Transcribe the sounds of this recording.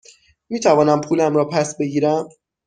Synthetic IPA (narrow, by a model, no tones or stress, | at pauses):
miːt̪ʰævɒːnæmpʰuːlæmɾɒːpʰæsbe̞ɡiːɾæm